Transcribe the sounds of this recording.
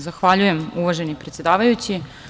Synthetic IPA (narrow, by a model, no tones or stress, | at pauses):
zaxʋaʎuje̞muʋaʒe̞nipɾe̞t̪sjed̪aːʋajut͡ɕi